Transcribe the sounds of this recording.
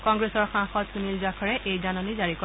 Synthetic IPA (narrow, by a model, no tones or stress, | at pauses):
kɔŋɡɹesɔɹxãxɔtsunilzakʰɔɹɛʔejzanɔnizaɹikɔ